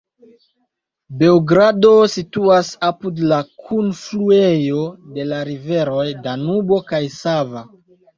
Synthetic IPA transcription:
be̞oɡɾado̞situasapudlakʰunfluejo̞de̞laɾive̞ɾo̞jdanubo̞kajsava

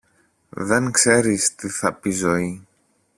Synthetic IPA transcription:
ðe̞ŋkse̞ɾist̪iθɐpizo̞i

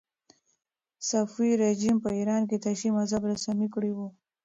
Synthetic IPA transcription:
safiɾed͡ʒimpəiɾɑnket̪aʃimazabɾasamikɽiwu

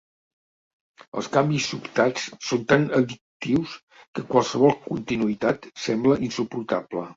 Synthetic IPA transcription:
ə̰lˠskambisːupt̪at͡ssont̪anəðik̚t̪iws | kəkwalˠsəβɔlˠkunt̪inuit̪at̪sɛmbləʔinsupuɾt̪aplə

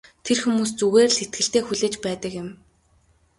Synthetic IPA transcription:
t̪ʰerxumuːst͡suɣeːrset̪̚ɡɘ̆ɬt̪eːxuɮeːt͡ɕpæːt̪ə̆kjɪ̆m

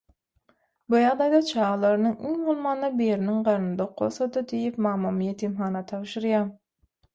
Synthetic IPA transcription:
bujɑʁd̪ɑjd̪ɑt͡ʃʰɑːʁɑlˠɑɾɯnɯŋiŋmulˠmɑːnːɑbejeɾiniŋɢɑɾnd̪ɑqʰːo̰lˠsɑd̪ɯd̪ejipmɑːmːɑmjet̪ʰimχɑːnɑt̪ʰɑβʃɯɾjɑːm

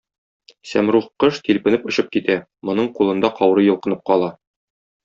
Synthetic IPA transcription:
sæmɾuχqːɤʃt̪ilpɘ̆nɘpŏɕɤp̚kit̪æ | mŏnɤɴqulˠɤ̆nd̪ɑqʰɒwɾɤjŏlˠqɤ̆nɤp̚qɒlˠɑ

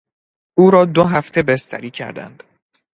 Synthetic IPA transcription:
ʔuːɾɒːd̪oɦæft̪ʰe̞best̪ʰæ̰ɾiːcʰæ̰ɾd̪æ̰nd̪̥

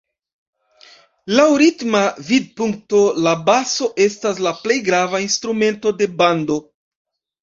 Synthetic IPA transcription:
lawɾitmavid̚puŋk̚to̞labaso̞ʔe̞stas̬laple̞jɡɾavainstɾume̞nto̞de̞bando̞

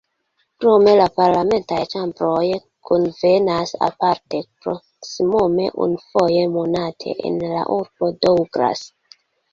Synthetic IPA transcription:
kɾo̞me̞lapaɾlame̞ntajt͡ʃambɾo̞j | kʰonve̞nasa̰paɾte̞pɾo̞ | simo̞me̞̰ʔṵnufo̞je̞mo̞natʰe̞̰ʔḛnla̰ʔuɾb̥o̞dowɡɾa̰s

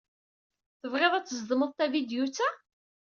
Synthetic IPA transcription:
θəvʁeðˤæt͡sːəzd̪əməðˤt̪ævid̪jut͡sːæ

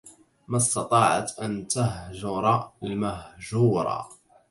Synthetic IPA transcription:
mast̪ɑt̪ˤɑːʕa̰t̪ʔant̪aɦʒʊɾˤɑlmahʒuːɾˤɑ̰

